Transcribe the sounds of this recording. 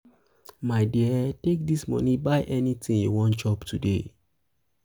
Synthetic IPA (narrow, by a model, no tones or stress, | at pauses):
maɪdiətek̚dismɔ̰̃nibaɪʔɛnitĩŋjṵwɔ̃nt͡ʃɔptʰudḛ